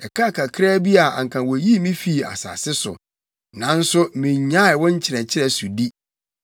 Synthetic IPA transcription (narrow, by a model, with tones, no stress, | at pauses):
ɛ˨kʰa˦˨kʰa˨kʰɾaː˦bi˦a˨a̰˨ŋ˨kʰã˨wɔ˨ji˦mĩ˦fi˦˨a̰˨sa̰˨sɪ˦sʊ̰˨ | nã˨˦n̩˦sʊ˦mĩ˨ɲã˦ɪ˨wɔ̃˦ɲ̩˦t͡ɕʰɪ˨ɾɛ̃˨t͡ɕʰɪ˦ɾɛ˦su˨di˦